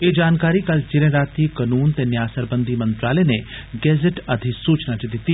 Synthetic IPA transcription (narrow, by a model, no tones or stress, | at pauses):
ed͡ʒaːnkaːɾikɐlt͡ʃɪɾẽɾaːt̪ikɐnuːnt̪enjaːsəɾbə̃nd̪ʱimɐ̃nt̪ɾaːlene | ɡɛːd͡ʒɪʈɐd̪ʱisuːt͡ʃnat͡ʃed̪ɪt̪i